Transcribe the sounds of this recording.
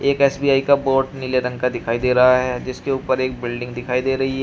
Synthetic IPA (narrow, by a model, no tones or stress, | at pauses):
eːkɛːsbiːaːikaboːʈnɪleɾɐ̃ŋɡkad̪ɪkʰaːid̪eːɾɐɦaɦɛd͡ʒɪskeuːpəɾeːk̚bɪlɖɪ̃ŋɡd̪ɪkʰaːid̪eːɾɐɦiɦɛ